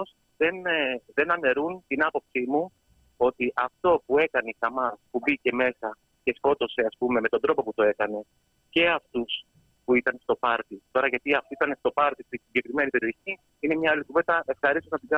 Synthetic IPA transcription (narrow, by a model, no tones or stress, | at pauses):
os | ðe̞nðe̞nɐne̞ɾunt̪inɐpo̞psimu | o̞t̪iʔɐft̪o̞pue̞kɐneixɐmɐspubice̞me̞sɐ | ce̞sko̞t̪o̞se̞ɐspume̞met̪o̞nd̪ɾo̞po̞put̪o̞e̞kɐne̞ | ce̞ɐft̪us | puit̪ɐnst̪o̞pɐɾt̪it̪o̞ɾɐʝɐt̪iɐft̪oit̪ɐnest̪o̞pɐɾt̪ist̪isiɲɟe̞kɾime̞nipe̞ɾio̞çi | ine̞mɲɐɐlikuvet̪ɐʔe̞fxɐɾist̪onɐt̪iɡɐ